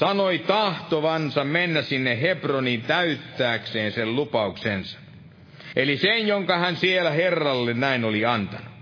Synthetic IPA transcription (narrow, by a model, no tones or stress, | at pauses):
sɑnoit̪ɑht̪oʋɑnsɑmmenːæsinːehepronint̪æyt̪ːæːkseːnsellupɑuksensɑ̥ | ʔelisenjoŋkɑhænsielæherːɑlːennæinoliɑnt̪ɑnu